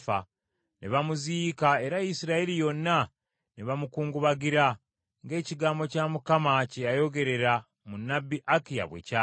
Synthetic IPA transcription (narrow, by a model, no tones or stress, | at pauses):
fa̰ | nḛβamuziːkae̞ɾajisiɾaeɾijo̞nːa | neβamukuːŋɡuβaɡiɾa | ŋɡe̞ːciɡaːmbo̞camukamacejajo̞ɡe̞ɾe̞ɾa | munːabːiʔakija̰βwḛca